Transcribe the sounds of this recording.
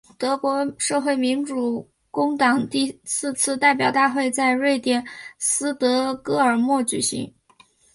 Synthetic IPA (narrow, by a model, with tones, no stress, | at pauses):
t̪ɤ˧˥kwɔ˧˥ʂɤ˥˧xwe˥˩ɪmi˧˥nʈ͡ʂu˨˩ | kʊ˥ŋt̪ɑ˨˩ŋt̪i˥˧sɹ̩˥˧t͡sʰɹ̩˥˧t̪a˥˩ɪpjɑ˨˩ʊt̪a˥˧xwe˥˧ɪt͡sa˥˧ɪɻwe˥˩ɪt̪jɛ˥˩nsɹ̩˥t̪ɤ˧˥kɤ˥ə˞˨˩mwɔ˥˩t͡ɕy˨˩ɕḭ˧˥ŋ